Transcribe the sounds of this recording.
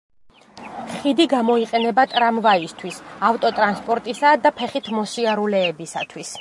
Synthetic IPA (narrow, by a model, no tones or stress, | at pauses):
χid̪iɡamɔiqʼɛnɛbat̪ʼɾamvaist̪ʰwisaft̪ʼɔt̪ʼɾanspʼɔɾt̪ʼisad̪apʰɛχit̪ʰmɔsiaɾulɛːbisat̪ʰwis